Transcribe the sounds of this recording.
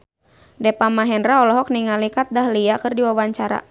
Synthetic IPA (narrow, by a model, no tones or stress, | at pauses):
dɛpamaɦɛndraɔlɔɦɔk̚niŋalikat̪̚daɦliakɨrdiwawaɲt͡ʃaɾa̰